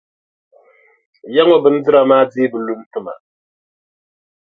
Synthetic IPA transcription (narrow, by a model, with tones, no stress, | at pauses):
ja˦ŋo˨bɨ˦n̩˦d͡zɨ˦ɾa˨maː˦d͡ziː˦bɨ˨lu˦n̩˦tɨ˦ma̰˨